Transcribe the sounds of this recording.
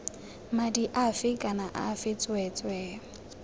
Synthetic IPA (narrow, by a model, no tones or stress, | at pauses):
madiʔafɪkʼanaʔafɪt͡sʼwɛt͡sʼwɛː